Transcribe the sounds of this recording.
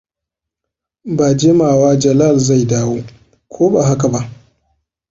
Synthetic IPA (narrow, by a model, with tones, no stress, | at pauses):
baː˨d͡ʒeː˦maː˨waː˦d͡ʒɐ˨la˦˨lza˦˨jdaː˦woː˦ | kʷʰoː˦baː˨ɦa˦ka˨ba˦ʔ